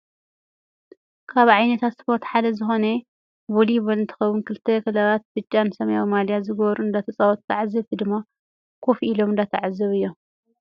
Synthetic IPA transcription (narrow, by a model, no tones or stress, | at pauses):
kʰaβʕajnɐt̪ʰat̪spʰo̞ɾt̪ħad̪ɐzɨxo̞ne | boliβɐlɨnt̪ʰɨ̥xɐwunkʰɨlt̪ʰːekɨlaβat̪̚bɨt͡ʃʼːansɐmɐjamalijazɨɡɐβɾuɨnd̪at̪ʰɐt͡sʼawɔt̪ːʰaʕzɨβd̪ɨmːa | kʰofilomɨnd̪at̪ʰaʕazɨβɨjːo